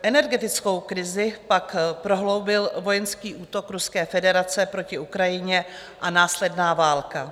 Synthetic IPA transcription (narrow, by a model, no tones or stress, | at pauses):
ʔɛnɛɾɡɛt̪ɪt͡sko̞wkɾɪzɪpakpɾo̞ɦlo̞wbɪlvo̞jɛnskiːʔuːt̪o̞kɾuskɛːfɛdɛɾat͡sɛpɾo̞cɪʔukɾajɪɲɛ | ʔanaːslɛdnaːvaːlka